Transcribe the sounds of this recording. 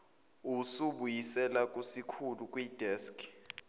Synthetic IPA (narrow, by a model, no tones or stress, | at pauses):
usuɓujisɛlak̬ʼusikʰuluk̬ʼwid̥ʱɛskʰ